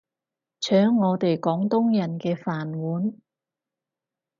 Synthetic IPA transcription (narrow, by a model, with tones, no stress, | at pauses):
t͡ʃʰœː˨˥ŋːɔː˨˧t̪e˨jkɔː˨˥ŋt̪ʊ˥ŋjɐ˨˩nkɛː˧faː˨˩nwuː˨˥n